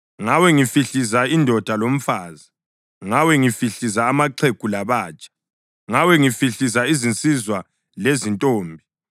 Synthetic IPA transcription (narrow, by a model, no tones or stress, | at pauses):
ŋawɛŋifiɬizaindʱɔd̥ʱalom̩faːza | ŋawɛŋifiɬizaːmaǃʰeɡ̥ʱʼulaβaːt͡ʃʼḁ | ŋawɛŋifiɬizaizint͡sʼizwa | lezintʼoːmbʱi